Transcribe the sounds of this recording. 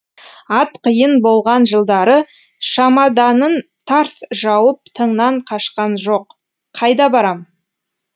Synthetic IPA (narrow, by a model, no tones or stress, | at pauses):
ɑt̪qʰəjənbo̞lˠʁɑnʒəlˠd̪ɑɾə | ʃɑmɑd̪ɑnən | t̪ʰɑɾsʒɑwəp̚t̪ʰəɴnɑɴqʰɑʃqɑnʒo̞q | qʰːɑjd̪ɑbɑɾɑm